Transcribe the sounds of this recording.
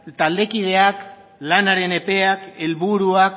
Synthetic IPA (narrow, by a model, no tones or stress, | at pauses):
t̪ald̪e̞kið̞e̞ak | lanaɾe̞ne̞pe̞ake̞lβuɾuak